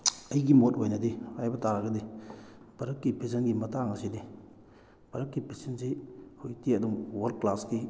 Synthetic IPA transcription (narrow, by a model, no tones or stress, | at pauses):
ɐjɡimotojnɐdihajbɐtaɾaɡɐdibɐɾɐkːipʰes̬ɐnɡimɐtaŋɐsidi | bɐɾɐkːipʰesensihujtiɐdumwɐlklaski